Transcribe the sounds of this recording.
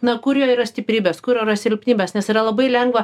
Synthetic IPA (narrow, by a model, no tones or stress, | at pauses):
nɐkʊɾʲjoːɪːɾɐsʲt̪ʲɪpʲɾʲiːbʲeːskʊɾʲjoːɪɾɐsʲɪlʲpʲnʲiːbʲeːsnʲɛsɪɾɐlˠɐbɐɪlʲɛŋɡʋɐ